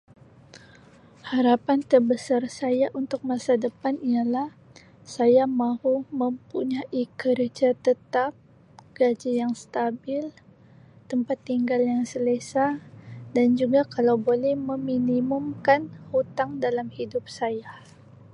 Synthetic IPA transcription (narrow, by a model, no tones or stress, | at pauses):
haɾapant̪ərbəsarsajaʔunt̪ʊk̚masadəpanijalah | sajamahuməmpuɲaʔikərd͡ʒat̪ət̪ap̚ | ɡ̥ad͡ʒajaŋst̪abɪl | t̪əmpat̪ːiŋɡaljaŋsələsadand͡ʒuɡakalawbolɛhməminimumkanhut̪aŋdalamhidʊp̚saja